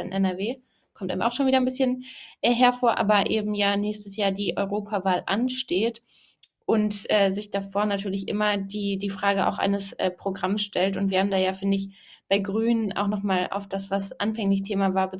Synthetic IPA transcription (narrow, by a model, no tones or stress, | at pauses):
ɪ̰nʔɛnɛɐveː | kʰɔmtʔa̰ɪmʔa̰ʊxʃoːnviːdɐnbɪsçənʔɛːɦɛɐfoːɐʔa̰ːbɐʔeːbm̩jaːnɛːçstəsjaːɐdiːʔɔʏʁoːpʰavaːlʔa̰nʃteːt | ʔʊntʔɛːzɪçd̥afoːɐnatʰyːɐlɪçʔɪ̰mɐdiːdiːfʁ̥aːɡəa̰ʊxʔa̰ɪnəsʔɛ̰ːpʁ̥oɡʁamsʃtɛltʊntv̥iːɐhaːm̩daːjaːfɪndəɪç | b̥aɪɡʁyːnəna̰ʊxnɔχmaːlʔa̰ʊfd̥asv̥asʔa̰nfɛŋlɪçtʰeːmavaːɐbə